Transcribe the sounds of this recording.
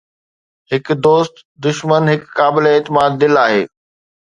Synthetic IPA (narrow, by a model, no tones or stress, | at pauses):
ɦɪkd̪oːst̪ | d̪ʊʃmənɦɪkːaːbɪleeːt̪ɪmaːd̪̚ːɪlaːɦeː